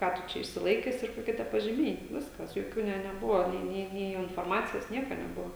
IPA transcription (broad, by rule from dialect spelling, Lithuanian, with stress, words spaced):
ˈkɑː tʊ ˈt͡ʃʲɛ ɪʃʲsʲɪˈlˠɐɪkʲɛs ɪr koːˈkʲiɛ tʲiɛ pɐʒʲɪˈmʲɛɪ ˈʋʲɪskɐs joːˈkʲuː ˈnʲɛ nʲɛˈbʊʋɐ ˈnʲeː ˈnʲeː nʲeː ɪnfoːrˈmɑːt͡sʲɪjoːs ˈnʲiɛkɐ nʲɛˈbʊʋɐ